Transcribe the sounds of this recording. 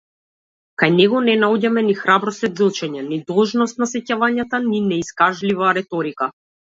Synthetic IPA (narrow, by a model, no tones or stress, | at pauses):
kajnɛɡɔnɛnaɔɟamɛnixɾabɾɔsɛd̪zl̩ˠt͡ʃɛɲɛnid̪ɔlˠʒnɔst̪̚nasɛcavaɲat̪aninɛiskaʒlivaɾɛt̪ɔɾika